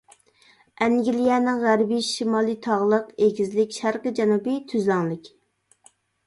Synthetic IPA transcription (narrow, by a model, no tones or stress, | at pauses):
ɛŋɡʲilijɛnɪŋʁæɾbiʃimɑːlˠit̪ʰɑʁlˠəqeɡʲizlɪkʲʃæɾqəd͡ʒɛnubit̪ʰyzlæŋlˠɪkʲ